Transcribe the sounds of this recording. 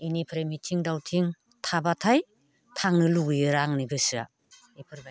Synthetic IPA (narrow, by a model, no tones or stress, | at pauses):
inipʰɾemitʰiŋdawtʰiŋ | tʰabatʰaj | tʰaŋnɯluɡɯjɯɾaŋniɡɯsa̰ | epʰɯɾbaj